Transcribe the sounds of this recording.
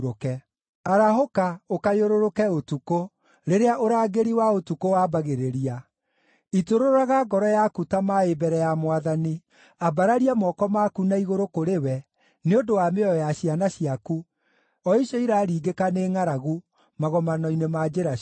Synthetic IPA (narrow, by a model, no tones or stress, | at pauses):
ɾokɛ | aɾaɦokaokajoɾoɾokɛotuko | ɾeɾeaʔoɾaːɡeɾiwaotukowaːbaɣeɾeɾia | itoɾoɾɾaɣaɡɔɾɔjakutamaebɛɾɛjamwaðani | abaɾaɾiamɔkɔmakunaiɣoɾokoɾewɛ | neondowameɔjaɕianaɕiaku | ɔiʃɔiɾaːɾiːɡekaneŋaɾaɣu | maɣɔmanɔinemad͡ʒeɾa